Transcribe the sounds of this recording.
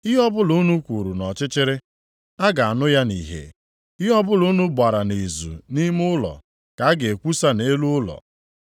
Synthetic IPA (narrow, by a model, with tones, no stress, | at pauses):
ɪ˦ɦɔ˦bʊ˦lu˦nu˦kʷu˨ɾu˨nɔ˨t͡ʃɪ˦t͡ʃɪ˦ɾɪ˦ | a˦ɡa˨a˨nʊ˦ja˦nḭ˨ɦḛ˨ | ɪ˦ɦɔ˦bʊ˦lu˦nu˦ba˨ɾa˨ne˨zṵ˨ni˦m˦ʊ˦lɔ̰˨ | ka˨˦a˦ɡe˨e˨kʷu˦sa˦ne˦lu˦ʊ˦lɔ̰˨